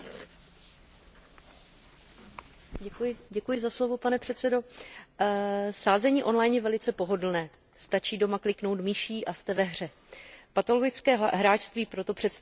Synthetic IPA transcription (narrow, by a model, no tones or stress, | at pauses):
ɛjɪɟɛkujɪzaslo̞vo̞panɛpr̝̥ɛt̪t͡sɛdo̞ | saːzɛɲiːʔo̞nlajnjɛvɛlɪt͡sɛpo̞ɦo̞dl̩nɛː | st̪at͡ʃiːdo̞maklɪkno̞wt̪miːʃiːʔast̪ɛvɛɦr̝ɛ | pat̪o̞loɡɪt͡skɛːɦɾaːʃst̪viːpɾo̞t̪o̞pr̝̥ɛt̪s